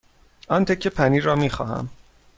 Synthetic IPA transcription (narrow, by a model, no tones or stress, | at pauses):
ʔɒnt̪ʰecʰːepʰæniːɾɒːmiːxɒ̰ːɦæ̰m